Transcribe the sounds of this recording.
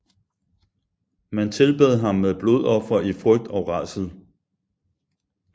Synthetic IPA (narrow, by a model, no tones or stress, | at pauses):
mænt͡sʰe̝lb̥eð̞̩̰ˠɦɑ̈mːeðˠb̥lo̝ð̞̰ˠɒ̽fɐʔifʁœɡ̥̚d̥ɒʊʁɑsəð̩ˠ